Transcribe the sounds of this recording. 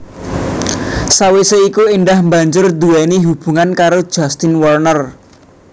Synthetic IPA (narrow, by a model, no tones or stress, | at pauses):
saweseikuinɖahmba̤ɲd͡ʒʊrd̪uɛniɦub̥ṳŋankaɾo̥ʒ̥ast̪ɪnwɔrnər